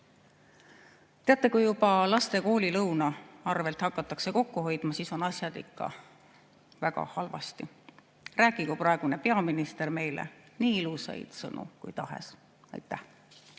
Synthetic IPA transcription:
t̪e̞ɑt̪ˑːe̞kujjubɑlɑst̪e̞ko̞ːlʲilɤwnɑɑrve̞lt̪hɑkːɑt̪ːˑɑkse̞ko̞kːuɦo̞jd̪̥mɑsiso̞nɑsʲjɑd̪̥ḭkˑːɑ̰ | væɡ̥ɑ̰hɑlvɑ̰st̪i | ræːɡikuprɑe̞ɡ̥une̞pe̞ɑminist̪erme̞jlḛ | niːilusɑ̰jd̪̥sɤ̰nʔṵkṵjt̪ɑɦḛs | ɑ̰jt̪ːˑæh

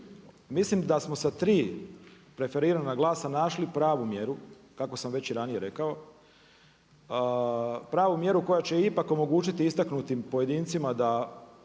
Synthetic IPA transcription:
mislimd̪asmo̞sat̪ɾiː | pɾe̞fe̞ɾiɾanaɡlˠaːsanaʃlipɾaːʋumje̞ɾu | kako̞samʋe̞t͡ɕiɾanije̞ɾe̞kao̞ | pɾaːʋumje̞ɾuko̞jat͡ɕe̞ipako̞mo̞ɡuːt͡ʃit̪iist̪aknut̪impo̞je̞d̪iːnt̪simad̪a

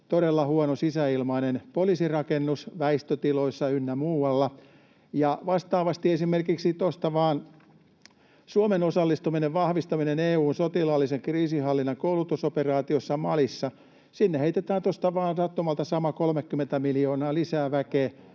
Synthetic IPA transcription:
t̪oɾelːɑhuonosisæilmɑinenpolisirɑkenːusʋæist̪øt̪iloisːɑynːæmuːwɑlːɑ | jɑʋɑst̪ɑːʋɑst̪iesimerkiksit̪ost̪ɑʋɑːn | suomenosɑlːist̪umineʋʋɑhʋist̪ɑmineneːuːnsot̪ilɑlːiseŋkriːsihɑlːinːɑŋkoulut̪usoperɑːt̪iosːɑmɑlisːɑ | sinːeheit̪et̪æːnt̪ost̪ɑʋɑːnsɑt̪ːomɑlt̪ɑsɑmɑkolmekːyment̪æmilijoːnɑːlisæːʋækeː

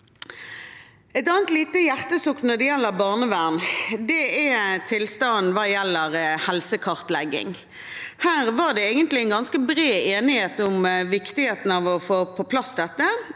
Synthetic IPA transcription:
ɛɪt̪ɑːnt̪liːt̪əjæʁt̪əsʊknnɔd̪ɛjɛlːəʁbɑːʁnəʋæːʁnd̪ɛɛt̪ʰɪlst̪ɑnn̩ʋɑːjɛlːəʁhɛlsəkʰɑʁt̪lɛɡːɪ̰ŋ | hæːʁʋɑʁd̪ɛeːɡənt̪lɪɛɪnɡɑnskəbʁeːeːnɪheːt̪ʊmʋɪkt̪ɪheːt̪n̩ɑʋɔfoːpʰɔpʰlɑsd̪ɛt̪ːə

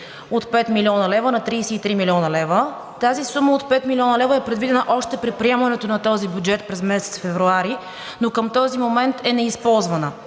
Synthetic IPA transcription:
ot̪pɛt̪miliɔnəlɛvənɐt̪ɾijsɛit̪ɾimilʲiɔnəlɛvə | t̪azisuməot̪pɛt̪milʲiɔnəlɛvəɛpɾɛd̪vid̪ɛnəʔɔʃt̪ɛpɾɛt̪̚pɾiɛmɐnɛt̪onɐt̪ɔzibʲjud͡ʒɛt̪̚pɾɛzmɛsɛ̥t̪sfɛvɾuaɾi | nokəmt̪ɔzimomɛnt̪ɛnɛispɔlˠzvənə

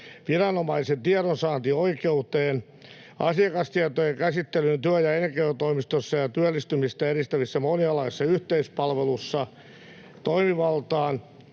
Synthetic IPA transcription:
ʋirɑnomɑisent̪iɑɾonsɑːnt̪ioikeut̪eːn | ɑ̰siɑkɑst̪iɑt̪ojeŋkæsit̪ːelynt̪yæjɑenkeyt̪oimist̪osːɑjɑt̪yælːist̪ymist̪æeɾist̪æʋisːæmoniɑlɑisːɑyht̪eispɑlʋelusːɑ | t̪oimiʋɑlt̪ɑːn

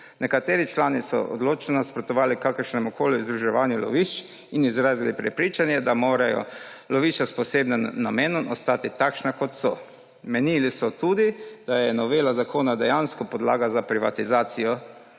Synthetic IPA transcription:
nɛkat̪eːɾit͡ʃlaːnisɔ̰ɔ̰d̪loːt͡ʃnaspɾɔt̪ɔʋaːlikakəɾʃnɛmukʰoːlizd̪ɾuʒɛʋaːnjulɔ̰ʋiːʃt͡ʃ | inizɾaːzilipɾɛpɾiːt͡ʃanjɛd̪amoːɾajɔ̰ | lɔʋit͡ʃaspɔseːbnɛmnameːnɔmʔɔst̪aːt̪it̪akʃnakɔt̪sɔ | mɛniːlisɔt̪uːd̪id̪̥ajɛnɔʋeːlazakʰoːnad̪ɛjanskɔpɔd̪la̰ːɡazapɾiʋa̰t̪izaːt̪sijɔ

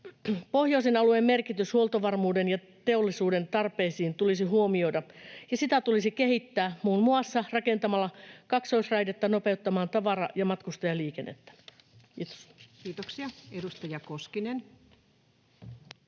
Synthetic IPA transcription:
po̞hjoisenɑluemme̞rkit̪yshuolt̪oʋɑrmuːdenjɑ | t̪eolːisuːdent̪ɑrpeːsiːnt̪ulisiɦuomio̞idɑjɑsit̪æt̪ulisikehit̪ːæːmuːnmuɑsːɑrɑkent̪ɑmɑlːɑkɑksoisrɑjdet̪ːɑnopeut̪ːɑmɑːnt̪ɑʋɑrɑjɑmɑt̪kust̪ɑjɑliːkenːʔḛt̪ːæ̥ | kiːt̪o̥skiːt̪oksiɑedust̪ɑjɑkoskinen

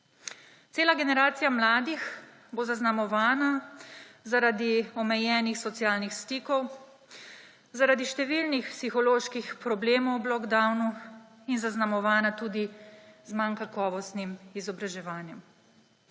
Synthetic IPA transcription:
t̪seːlaɡɛnɛɾaːt̪sijamlaːd̪ix | boːzaznamɔʋaːna | zaɾad̪iɔmɛjɛːnixsɔt̪sijaːlnixst̪iːkɔw | zaɾad̪iʃt̪ɛʋilnixpsixɔloːʃkixpɾɔbleːmɔwblɔɡd̪awnu | inzaznamɔʋaːnat̪uːd̪izmankakɔːʋɔst̪nimizɔbɾaʒɛʋaːnjɛm

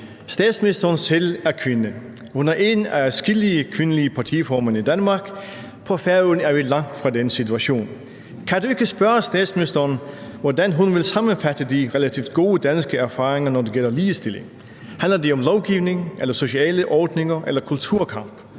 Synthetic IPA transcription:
sd̥ɛ̰ːd̥smnisd̥ɐnselæɐkʰʋe̝nə | hunæɐʔe̝næsɡ̥iliəkʰʋe̝nəliəpʰɑ̈t͡sʰifɒmænid̥ænmɑ̈ɡ̥ | pʰɒ̽fæɐønæɐʋilɑ̈ŋ̰d̥fʁɑ̈densit͡sʰuæɕo̝̰ːn | kʰædue̝ɡ̥əsb̥ɶɐɐsd̥ɛːd̥smɪnisd̥ɐnʋɒdænɦunʋe̝lsɑ̈mənfæd̥əd̥iʁelæt͡sʰiːʊd̥ɡ̥o̝ːəd̥ænsɡ̥əæɐfɑ̈ːʁeŋɐnɒd̥e̝ɡ̥el̰ɐliːʋsd̥e̝le̝ŋ | hænlɐdiɒ̽mlɒʊɡ̥iʊne̝ŋʔelɐso̝ɕiɛ̰ːləʔɒːd̥ne̝ŋɐʔelɐkʰult͡sʰuɐ̰kʰɑ̈m̰b̥

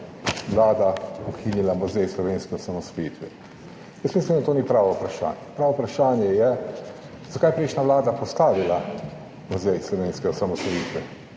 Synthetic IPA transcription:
ʋlaːd̪aɔkʰinilamɔzɛjslɔʋeːnskɛɔsamɔsɔjit̪ʋɛ | jəsmislimnd̪at̪oːnipɾaːʋɔupɾaʃa̰ːnjɛpɾaːʋɔpɾaʃaːnjɛjɛ | z̥akaːjpɾeʃnaʋlaːd̪apɔst̪aːʋila | mɔɾzɛjslɔʋeːnskɛɔsamɔsɔjiːt̪ʋɛ

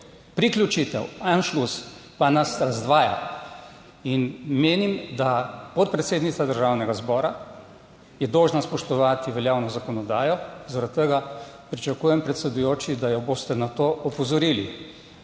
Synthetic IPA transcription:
pɾiklʲut͡ʃit̪ɛ̰wɛnʃluspanasɾazd̪ʋaːja̰ | inmeːnimd̪apɔt̪̚pɾɛt̪seːd̪nit̪sad̪əɾʒawnɛɡazbɔːɾa | jɛd̪ɔːʒnaspɔʃt̪ɔʋaːt̪iʋɛljaːwnɔzakɔnɔd̪aːjɔzaɾat̪ːəɡa | pɾit͡ʃakuːjɛmpɾɛt̪sɛd̪ujoːt͡ʃid̪ajɔboːst̪ɛnat̪oːʔɔpɔzɔɾiːli

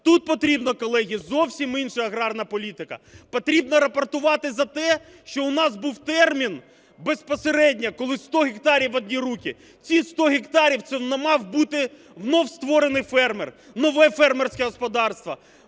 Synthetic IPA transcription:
t̪ut̪̚pɔt̪ɾʲibnɔkɔlˠɛɦʲizɔwsʲiminʃɐɐɣɾɑrnɐpɔlʲit̪ɪkɐ̰pɔt̪ɾʲibnɐɾɐpɐrt̪ʊʋɑt̪ɪzɐt̪ɛ | ʃt͡ʃɔʊnɑzbuwt̪ɛrmʲin | bespɔseɾɛdʲnʲɐkɔlˠɪst̪ɔɦʲɪk̚t̪ɑɾʲiwɐd̪̚ʲnʲiɾukʲi | t͡sʲist̪ɔɦʲikt̪ɑɾʲiwt̪sɛnɛmɑwbut̪ɪ | wnɔwst̪ʋɔɾenɪjfɛrmer | nɔʋɛfɛrmersʲkɛɦɔspɔd̪ɑrst̪ʋɐ

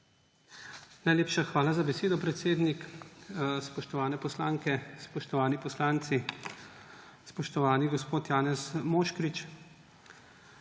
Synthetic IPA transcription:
najleːpʃaxʋaːlazabɛseːd̪ɔpɾɛt̪seːd̪nik | spɔʃt̪ɔʋaːnɛpɔslaːŋkɛspɔʃt̪ɔʋaːnipɔslaːnt̪si | spɔʃt̪ɔʋaːniɡɔspoːt̪jaːnɛsmoːʃkɾit͡ʃ

